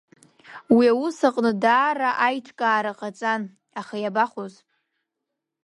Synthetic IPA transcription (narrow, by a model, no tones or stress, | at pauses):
wiawusaqʼnɨdaːraʔajʈ͡ʂʷʰkʼaːɾaqʼat͡sʼan | aχajabaχoz